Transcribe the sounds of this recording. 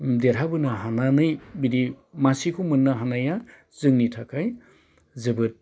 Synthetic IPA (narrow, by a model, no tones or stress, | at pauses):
deɾɦabɯnaɦananɯjbiɾi | masikʰumɯnːaɦanaja | zɯŋnitʰakʰaj | zɯbɯt̚